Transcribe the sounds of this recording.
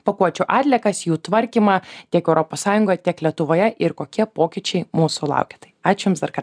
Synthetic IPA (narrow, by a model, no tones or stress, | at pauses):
pɐkuɔt͡ʃʲʊʔɑːt̪ʲlʲɛkɐsjuːt̪ʋɐɾʲkʲiːmɑːt̪ʲiɛkɛʊɾʔoːpoːssɑːjʊŋɡoːjɛt̪ʲiɛklʲiɛt̪ʊʋoːjɛʔɪɾkoːkʲiɛpoːkʲɪt͡ʃʲɛɪmuːsʊlˠɐ̰ˑʊkʲe̥t̪ɐɪɑːt͡ʃʲʊjʊmsd̪ɐɾkɐ